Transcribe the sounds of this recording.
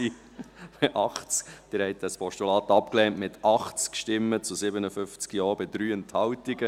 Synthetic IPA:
i | pɛʔɑχt͡skd̥ɪɾhɛɪtəspʰɔʃtulɑːt̪ɑpklɛntmɪt̪ʔɑχt͡skʃtɪmːət͡sʊsɪbənəfʏft͡skijɔːbɪd̪ɾyːənthɑwtiɡə

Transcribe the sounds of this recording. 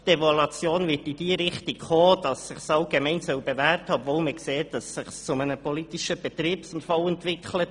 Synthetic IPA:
d̥evɔlɑt͡sjoːnvɪtɪd̥iːəɾɪχtɪkχoːd̥ɑsɪχsɑlɡ̥emɛɪnsœwbevæːɾthɑɔbvoːlməkseːtd̥ɑsːɪχst͡sʊmənəpɔlitɪʃəb̥ɛt̪riːpsʊmfɑlɛntvɪkχlət

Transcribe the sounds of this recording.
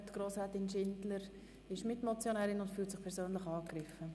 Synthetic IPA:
tɡ̥ɾoːsʁɛːtɪnʃɪndləɾ | ɪʃmɪtmɔt͡sjonɛːɾɪnʊntfyːltsɪχpʰɛɾsøːnlɪχɑːkrɪfə

